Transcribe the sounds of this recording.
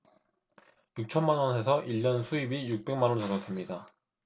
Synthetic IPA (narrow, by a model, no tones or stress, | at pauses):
juk̚t͡ɕʰʌnmanʌne̞sʰʌʔiʎːʌnsʰuibijuk̚p͈e̞ŋmanʌnt͡ɕʰʌɡʌtʰemɲida